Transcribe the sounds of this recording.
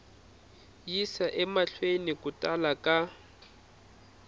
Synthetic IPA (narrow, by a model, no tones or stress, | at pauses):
jisaʔɛmaɬʰwenɪkʼʊtʼalakʼa